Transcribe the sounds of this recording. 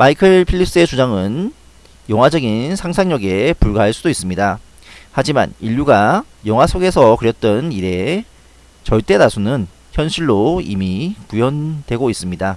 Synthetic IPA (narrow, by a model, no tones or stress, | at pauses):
maikʰɯɭpʰiʎːip̚ʰs͈et͡ɕud͡ʑaŋɯn | jʌŋɦwad͡ʑʌɡinsʰaŋsʰaŋɲʌɡe̞puɭɡaɦaɭs͈udois͈ɯmɲida | had͡ʑima̰niʎːuɡa | jʌŋɦwasʰoɡe̞sʰʌkɯɾjʌt̚t͈ʌniɾe̞ | t͡ɕʌɭt͈e̞nasʰunɯn | çjʌnɕʰiɭːoḭmikujʌndwe̞ɡois͈ɯmɲida